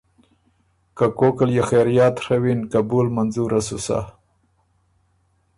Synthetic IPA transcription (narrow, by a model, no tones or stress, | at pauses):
kakokaljexeɾjɑːt̪ɾawinkabulmanzuɾasusa̰